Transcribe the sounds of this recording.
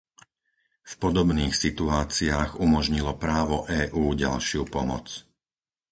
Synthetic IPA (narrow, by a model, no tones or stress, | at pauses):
fpɔd̪ɔbniːxsit̪uaːt͡siaːɣumɔʒɲilɔpɾaːʋɔʔɛːʔuːɟa̰lʃɪupɔmɔ̰t͡s